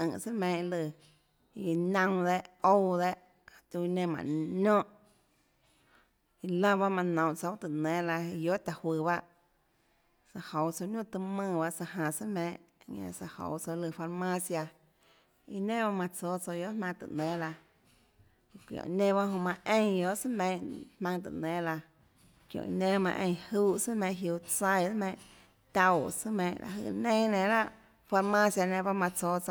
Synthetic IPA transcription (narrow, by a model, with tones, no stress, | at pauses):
ə̃˨ʔsə˦mẽː˧ʔlɨ˧˨ | i˧˨nə̃˧wd̪e˦ʔo˦˧wd̪e˦ʔ | ka˨t̪u˧nẽ˧mã̰˨nõ˦ʔ | i˧lã˦ba˦mã˧nõ˨wʔt͡so˧wt̪ɨ˨nɛ̃ː˦la˧i˧jo˦t̪a˨hwɨ˧ba˦ʔ | sa˧ho˨wt͡so˧nũ˦˨t̪ɨ˧mɨ̃ː˧˨ba˦ʔsa˧ɦã˧˨sɨ˦mẽː˧˦˨ʔɲã̰˧sa˧ho̰˨wt͡so˧lɨ˧˨fa˧ɾmã˦sja˧ | i˧nẽ˦ba˦mã˧t͡soː˧˦t͡so˧jo˦mã˧t̪ɨ̰˨nẽː˨˦la˧ | kʷjõ̰˨˧nẽ˦ba˦ɦõ˧mã˧ʔẽ˦˧jjo˧˦ʔsɨ˦mẽː˧˨ʔhmã˧ŋt̪̬ɨ̰˧˨nɛ̃˨˦la˧ | kjõ̰˨nẽ˦˧mã̰˧ʔḛ̃˧j̃huː˦sɨ˦mẽː˧˨ɦju˧t͡sa˧jdmẽː˧˨ʔ | t̪a˧wsɨ˦mẽː˧˨ʔla̰˨ɦɨ̰˧˨nẽː˦nẽ˧˨la˦ʔ | fa˧ɾmã˦sja˧nẽ˧ba˦mã˧t͡soː˧˦t͡so˧˨